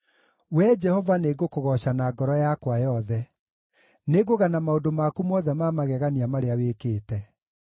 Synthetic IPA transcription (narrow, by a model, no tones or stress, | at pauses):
wɛd͡ʒɛhɔvaneɡokoɣɔɕanaɡɔɾɔjakwajɔðɛ | neɡoɣanamaodomakumɔðɛmamaɣɛɣaniamaɾeawekeːtɛ